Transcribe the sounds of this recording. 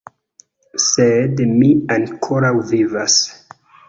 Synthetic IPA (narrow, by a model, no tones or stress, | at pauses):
sedmiankʰoɾawvivas